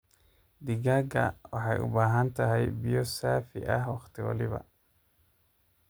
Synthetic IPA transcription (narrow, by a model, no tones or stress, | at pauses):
d̪ɪɡaːɡɐ̰wɑħɑjʊ̰baːɦɐnt̪ʰɐɦɛjbijɔsaːfɪ̰ʔɐɦwɑχt̪ʰɪwɑ̰lɪβɐ̰